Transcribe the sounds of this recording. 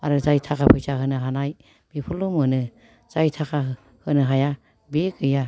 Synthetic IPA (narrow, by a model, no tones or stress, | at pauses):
aɾɯzajtʰakʰapʰɯjsaɦɯnɯɦanaj | b̥ipʰulumɯnɯ | z̥ajtʰakʰa | hɯnɯɦaja | bekɯja